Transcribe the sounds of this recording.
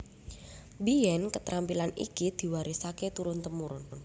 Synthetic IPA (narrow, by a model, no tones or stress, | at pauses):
bijɛnkət̪ɾʔampilanḭkid̪̥i̤waɾisaket̪uɾʊnt̪əmuɾʊn